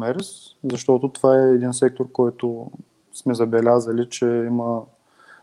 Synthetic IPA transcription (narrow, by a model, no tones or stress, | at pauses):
mɛɾɛs | zɐʃt̪ɔt̪ʊt̪ovaɛːd̪insɛk̚t̪oɾkɔjt̪ʊ | smɛzɐbɛlʲazəlit͡ʃɛimə